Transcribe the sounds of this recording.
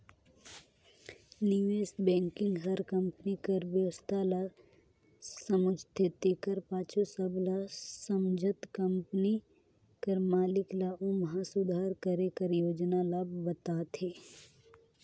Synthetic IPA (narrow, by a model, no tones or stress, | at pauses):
niʋeːsbɛ̃ːŋkɪ̃ŋɡɦɐɾkɐ̃mpnikəɾbjəʋəst̪ʰala | səmʊd͡ʒʱt̪ʰet̪ekəɾpaːt͡ʃʰosəblasəmd͡ʒʱət̪kɐmpni | kəɾmaːlɪklaomɐɦasʊd̪ʱaːɾkəɾẽkəɾjoːd͡ʒnalaːb̚bət̪at̪ʰeː